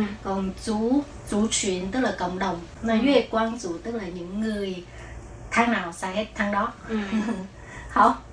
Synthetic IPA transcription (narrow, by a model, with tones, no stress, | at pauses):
kɔ˨˩nt͡ɕu˧˥˦ | t͡ɕu˧˩t͡ɕwḭ˧˨ənt̪ɨ˦˥k̚laː˨˩kə̰˧˨wŋ͡mɗə˨˩wŋ͡mnɔ˨˦zu˧˦e˨˩kwaː˧nt͡ɕu˧˨t̪ɨ˦˥k̚laː˨˩ɲɨ̰˧˥ŋːɨ˨˩əj | t̪ʰaː˧ŋnaː˨˩wsaː˧˩he˦˥t̚t̪ʰa˧ŋɗɔ˨˦ | hɔ˧˦